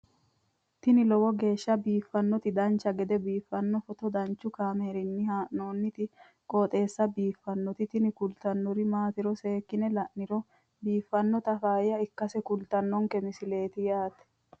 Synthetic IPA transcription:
t̪ɪnɪlɔwɔɡe̞ːʃːɐbiːfːɐnːɔt̪ɪd̪ɐnt͡ʃːɐɡɛd̪ɛbiːfːɐnːɔfɔt̪ɔd̪ɐnt͡ʃːʊkaːmeːɾɪnːɪhaːʔnoːnːɪt̪ɪ | kʼoːt̪ʼe̞ːsːɐbiːfːɐnːɔt̪ɪt̪ɪnɪkʊlt̪ɐnːɔɾɪmaːt̪ɪɾɔse̞ːkːɪnɛlɐʔnɪɾɔ | biːfːɐnːɔt̪ɐfaːjjɐɪkːɐsɛkʊlt̪ɐnːɔŋkɛmɪsɪle̞ːt̪ɪjaːt̪ɛ̥

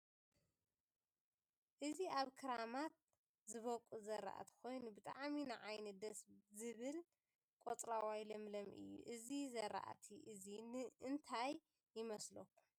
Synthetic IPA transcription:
ʔɨziaβkʰɨɾamat̪̚ | zɨβɐkʼuzɐɾa̰ʔa̰t̪ʰi̥kʰo̞jnubɨt̪ʼa̰ʕminɨʕajnɐd̪ɐszɨβɨl | kʼot̪ʼɾawajlɐmlɐmʔɨ̰jːṵʔɨzizɐɾa̰ʔa̰t̪ʰiʔɨzinʔɨnt̪ʰajː | ɪmɐslokʰːu̥

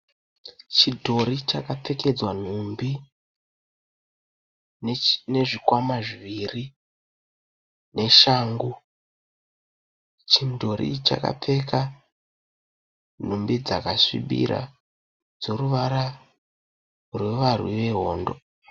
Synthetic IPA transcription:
t͡ʃidʱo̞ɾit͡ʃakap͡fe̞ke̞d͡zwan̤umbi | ne̞ʐikwamaʐiʋiri | ne̞ʃaŋɡu | t͡ʃindʱo̞ɾḭt͡ʃa̰ka̰p͡fe̞ka | n̤umbid͡za̰kasḭɓḭɾa̰ | d͡zo̞ruʋaɾa | rwe̞ʋarwḭʋe̞ɦo̞ːndo̞̰

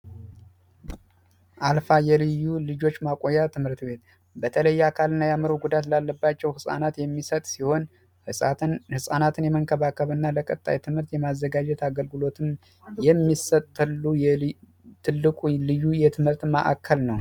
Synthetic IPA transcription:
ʔalfajɛlɨjːulɨd͡ʒo̞t͡ʃːmakʼojːat̪ʰɨmhɨɾt̪be̞t̪ | bət̪ʰələjːakʰalɨnːajaməɾoɡud̪at̪lalːəbːat͡ʃːɛwhɨsʼa̰nat̪jɛmːisət̪ʼsiho̞n | hɨsʼahɨsʼanat̪ʰɨnjɛməŋkʰəβakʰəβɨnːaləkʼət̪ʼːa̰jt̪ʰɨmhɨɾt̪jɛmazːəɡad͡ʒɛt̪aɡəlɡɨlo̞t̪ʰɨm | jɛmːisət̪ʼːlːuj | t̪ʰɨlːɨkʼulɨjːujɛt̪ʰɨmhɨɾt̪mə̰ʔa̰kʰːəlnəw

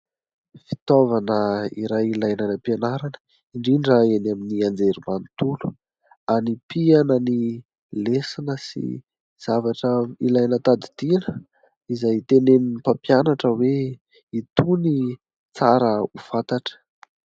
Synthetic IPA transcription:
fi̥t̪ovanəiɾajilajnanapanaɾanə̥ | iɳɖ͡ʐiɳɖ͡ʐaenaminiand͡zeɾimant̪ulu̥ | anipianəni | lesinəsḭ | z̥avaʈ͡ʂailajnət̪ad̪id̪̥inə | izajt̪eneninipapjanaʈ͡ʂəwe | it̪uni | t͡saɾəufat̪aʈ͡ʂə̥

